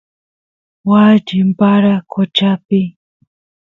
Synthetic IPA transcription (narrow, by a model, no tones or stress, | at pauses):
wad͡ʒɪmpaɾakʰot͡ʃapɪ